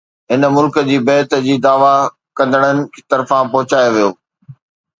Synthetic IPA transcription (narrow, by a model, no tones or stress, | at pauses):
ɦɪnəmʊlkəd͡ʑiːbɛːt̪ə̆d͡ʑiːd̪aːʋa | kɐ̃nd̪əɽ̃ənɪ̆kʰːt̪ɐɾfãpɔɦʊt͡ɕaːjoʋijoː